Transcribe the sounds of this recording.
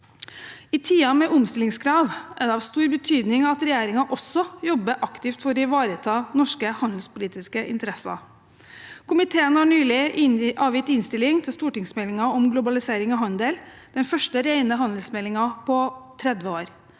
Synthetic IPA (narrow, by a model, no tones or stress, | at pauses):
ɪt̪ʰiːɑmɛʔʊmst̪ɪlɪŋskʰɾɑːʋʔæɖɛɑʋst̪uːɾbət̪ʰyːd̪nɪŋɑt̪ɾɛjeːɾɪŋɑʔɔsɔjɔbːəʔɑkt̪ɪft̪fɔɾɔɪʋɑːɾət̪ʰɑːnɔʂkəhɑnd̪l̩spʊliːt̪ɪskəʔɪ̰nt̪əɾɛsɑ̰ | kʰʊmɪt̪ʰeːənhɑɳyːlɪʔɑːʋjɪt̪ɪnst̪ɪlɪŋt̪ʰɪlst̪uːʈɪŋsmɛlɪŋɑɔmɡlʊbɑlɪseːɾɪŋɑɦɑnd̪el | d̪̥ɛnfœʂʈəɾæɪnəɦɑnd̪l̩smɛlɪŋɑpʰɔt̪ʰɾɛd̪ʋəoːɾ